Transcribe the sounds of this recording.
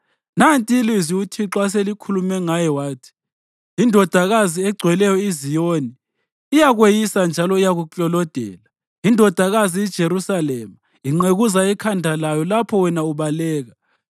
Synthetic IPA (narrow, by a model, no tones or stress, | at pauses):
nantʼiiliziutʰiǁwas̬elikʰulumɛŋajɛwaːtʰi̥ | indʱɔd̥ʱaɣaziɛɡ͡ǀʱwɛlɛjɔizijoniː | jaɣwejisand͡ʒʱalɔijaɣut͡ɬʼɔlɔd̥ʱɛ̰la | indʱɔd̥ʱaɣaziid̥ʒ̥ʱeɾusalɛma | iŋ͡ǁeɣuzaikʰandʱalajɔlapʰɔwɛnauβalɛːɣa